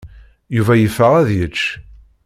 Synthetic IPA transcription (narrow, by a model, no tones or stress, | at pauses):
juvæjəfːəʁæðjət͡ʃː